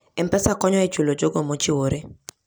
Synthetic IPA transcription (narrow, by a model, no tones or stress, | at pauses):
ɛmpɛsakɔɲɔɛt͡ʃulod͡ʒoɡomot͡ʃɪwoɾe